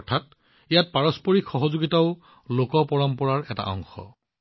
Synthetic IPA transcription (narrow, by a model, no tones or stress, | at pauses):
tʰat | ijat̚paɹɔspɔɹikxɔɦɔzoɡitaʊ | lokɔpɔɹɔmpɔɹaɹɛta̰ʔɔ̰ŋxɔ̰